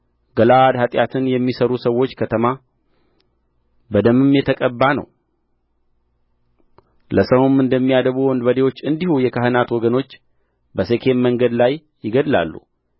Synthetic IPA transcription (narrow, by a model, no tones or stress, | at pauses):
ɡəlad̪hat̪ʼjat̪ʰɨnjɛmːisəɾusəwːo̞t͡ʃːkʰət̪ʰəma | bəd̪əmɨmːjɛt̪ʰəkʼəbːanə̰w | ləsəwumɨnd̪əmːijad̪əβuwɔnd̪bəd̪ewo̞t͡ʃːɨnd̪ihujɛkʰaɦɨnat̪wɔɡəno̞t͡ʃː | bəsekʰe̞mməŋɡəd̪lajːɪɡəd̪la̰lːṵ